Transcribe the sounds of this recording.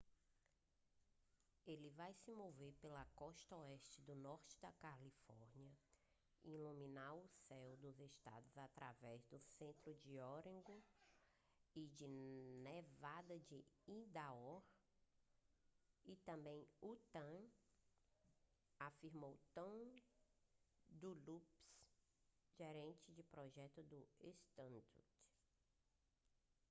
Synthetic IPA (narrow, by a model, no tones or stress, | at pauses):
elɪvajsɪmoveɾpelɐkɔʃt̪ɐɔɛʃt͡ʃɪd̪ʊnɔɾt͡ʃɪ̥d̪ɐkalifɔɾniɐ | ilumĩnaɾʊsɛwd̪ʊzeʃt̪a̰d̪ʊzat̪ɾa̰vɛzd̪ʊsẽnt̪ɾʊd͡ʒɪɔɾẽɡʊ | ɪd͡ʒɪnevad̪ɐd͡ʒɪĩd̪aɔɾ | ɪt̪ɐ̃mbẽj̃ut̪ɐ̃ | afiɾmowt̪ɐ̃w̃ | d̪ʊlups | ʒeɾẽnt͡ʃɪd͡ʒɪpɾɔʒɛt̪ʊd̪ʊest̪ɐ̃nd̪ut